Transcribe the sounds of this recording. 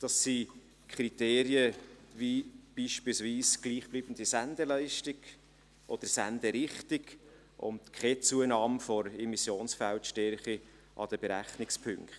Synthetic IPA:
d̥ɑsːi | kʰɾit̪eːɾiəvib̥iːʃpilsviːsɡ̥liːχb̥liːbən̩d̥̪isænd̪əɾlɛɪʃtɪɡ̥ | ʔɔd̥əɾsænd̪əɾɪχtɪɡ | ʔʊ̰ntkʰɛt͡suənɑːmfɔɾɛmisjoːnsfæltʃtɛɾχi | ʔɑ̰d̥əb̥ɛɾæχnɪkspʰʏŋkχt

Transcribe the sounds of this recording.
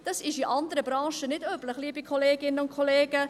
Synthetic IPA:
d̥ɑsɪʃiʔɑndəɾəbɾɑ̃ːʃənɪdøːbləχliːbikʰoleːɡɪnəʊnkʰoleːɡ̥ə

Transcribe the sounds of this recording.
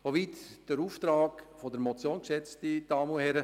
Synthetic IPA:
soʋiːt̪d̥əɾuːft̪ɾɑːɡfodəɾmɔt͡sjoːnkʃɛt͡stid̥ɑːmuhɛɾə

